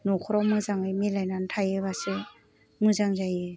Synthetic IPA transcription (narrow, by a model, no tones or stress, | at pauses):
nɔkʰɔɾɔmɯzaŋɯjmelajnantʰajɯbase | mɯzaŋzaje